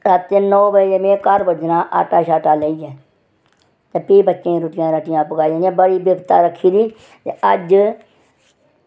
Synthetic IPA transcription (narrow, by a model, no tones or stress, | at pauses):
ɾat̪ːeːnɔːbəemẽːkəɾbəd͡ʒnãːʔa̰ːʈaːʃaːʈaːleːid͡ʒɛː | t̪eːpeːbətːʃẽːɾʊʈɪjãːɾəʈɪjãːpʊɡaːid͡ʒẽːnãːbəɽiːbjəɡt̪a̰ːɾəkʰːiːd̪iː | t̪ḛəd͡ʒ